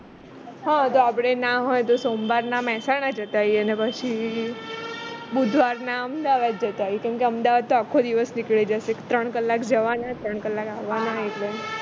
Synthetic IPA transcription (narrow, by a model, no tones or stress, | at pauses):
ɦãt̪oapɽ̃enaɦojt̪osombaɾnamɛsaɽ̃ad͡ʒət̪aɦjənepət͡ʃʰi | bud̪ʱʋaɾnaəmd̪aʋad̪̚d͡ʒət̪aɦɔjkɛmkeəmd̪aʋad̪̚t̪oakʰːod̪iʋəsnikɭed͡ʒəʃekt̪ɾəɳ̃kəlːakd͡ʒəʋanat̪ɾəɳ̃kəlːakaʋːanaeʈle